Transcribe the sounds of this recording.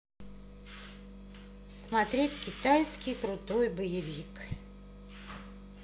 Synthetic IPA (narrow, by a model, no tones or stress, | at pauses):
smɐt̪ɾʲetʲkʲɪt̪ajskʲɪjkɾʊt̪ojbəjɪvʲik